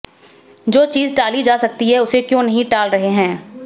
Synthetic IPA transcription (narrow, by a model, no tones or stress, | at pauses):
d͡ʒoːt͡ʃiːzʈaːlid͡ʒaːsɐk̚t̪iɦɛʊsekjõːnɐɦĩʈaːlɾɐɦeɦɛ̃ː